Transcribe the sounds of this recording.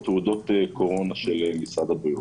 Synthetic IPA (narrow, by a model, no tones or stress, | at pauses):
t̪ud̪o̞t̪eko̞ʁo̞naʃelemisʁad̪abi